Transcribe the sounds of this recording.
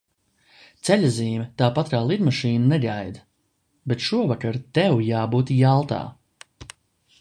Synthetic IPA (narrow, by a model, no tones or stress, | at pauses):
t̪sɛʎʲaziːmʲɛt̪aːpat̪ɾaːlˠid̪maʃiːnɐnɛɡajd̪ | bet̪ʃuɔvakaɾt̪ɛwjaːbuːt̪jalˠt̪a̰ː